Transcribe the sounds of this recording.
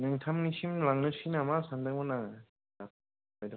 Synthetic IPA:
nɯŋtʰamnisʰimlaŋnɯsʰinamasandɯŋmɯnaŋ | nap̚ | ajdɯ

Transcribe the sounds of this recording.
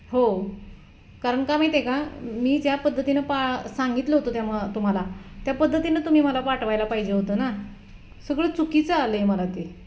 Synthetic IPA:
ɦo | kaɾəməkamajt̪ekãmiːd͡ʑjapəd̪ʱːət̪inəpasaŋɡit̪ləɦot̪ot̪jamt̪um̤alat̪japəd̪ʱːət̪inət̪um̤iːməlapaʈʋajlapaɦid͡ʑeɦot̪əːna | səɡɭəːt͡sukit͡səaleməlat̪e

